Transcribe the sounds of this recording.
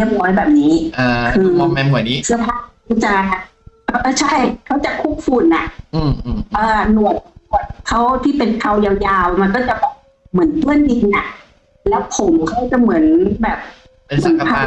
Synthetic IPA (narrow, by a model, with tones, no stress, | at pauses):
li˥˩əp̚nɔː˧˦˥jbɛː˨˩p̚niː˦˥ʔːkʰɯː˧ɛ˧mu˧˩˦nː˦˥sʰɯ˧ɐpʰaː˧˥˩t͡ɕa˧˩ | ʔʔːt͡ɕʰa˥˩jkʰa˦˥wt͡ɕa˨˧˩kʰuː˦˥˩p̚fuː˧˩nːa̰˧˩ʔʔʔɤː˧˩nu˨˩ə˦ju˧˨˩ət̪̚kʰa˦˥wt̪ʰiː˥˩pe˨nkʰa˧˩wjaː˧wjaː˧wma˧nkɔː˥˩t͡ɕa˨˩bɛː˨˩ | mɯ˩˦ə˦nt̪u˧˨əndi˧kna˧˩ | lɛː˦˥wpʰo˨˦mkʰa˦˥wt͡ɕa˧˩mɯ˩˦nbɛː˨˩p̚ | nmɯ˨˩˦npʰa˧˥˩